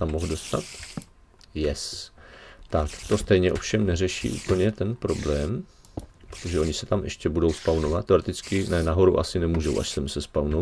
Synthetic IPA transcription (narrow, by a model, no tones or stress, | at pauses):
t̪amːoɦdo̞st̪a̰t̪ | jɛs | t̪akt̪o̞st̪ɛjɲɛʔo̞fʃɛmnɛrɛʃḭːʔṵːpl̩ɲɛt̪ɛnpɾo̞blɛːm | pɾot̪o̞ʒɛʔo̞ɲɪsɛt̪amʔɛ̰ʃcɛbudo̞wspawno̞vat̪ːɛoɾɛt̪ɪt͡skɪnɛnaɦo̞ɾṵʔa̰sɪnɛmuːʒowʔa̰ʃsɛmsɛspawno